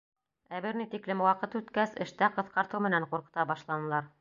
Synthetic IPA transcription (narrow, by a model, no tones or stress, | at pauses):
æβɘɾnit̪iklɘmwɑqɤt̪ʉt̪kæsɘ̆ʃt̪æqɤ̆θqɑɾt̪ɤwmɘ̆næɴquɾqɤ̆t̪ɑbɑʃlˠɑnɤ̆lˠɑɾ